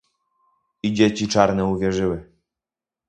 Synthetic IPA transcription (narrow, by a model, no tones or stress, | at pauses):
id͡ʑet͡ɕit͡ʂaɾnɛuvʲjɛʐɘwɘ